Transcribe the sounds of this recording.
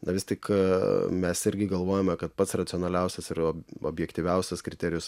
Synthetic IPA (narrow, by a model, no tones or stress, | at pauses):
nɐʋʲɪst̪ʲɪk | mʲɛsɪɾʲɡʲɪɡɐlˠʋoːjomʲɛkɐt̪̚pɐt̪srɐt̪ʲɪɔnɐlʲɛˑʊsʲɛsɪɾoo̰ːbʲjɛkt̪ʲiːʋʲɛʊsʲɛskɾʲɪt̪ʲɛːɾʲɪjʊs